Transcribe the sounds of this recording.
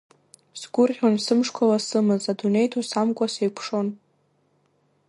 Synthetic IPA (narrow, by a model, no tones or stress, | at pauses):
sɡʷʊrʁʲansɨmʂkʷʰalasɨmɨzadune̞jtʰosamkʷʼasejpʰʂo̞n